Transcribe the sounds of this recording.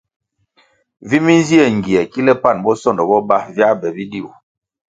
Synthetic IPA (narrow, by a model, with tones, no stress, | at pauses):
vi˦mi˦n˦zi˦ɛ˨ŋ˨ɡi˨ɛ˨ki˦lɛ˦pa˦˨nbɔ˦sɔ˦˨ndɔ˨bɔ˦ba˦vja˦bɛ˨bi˦di˦˨u˨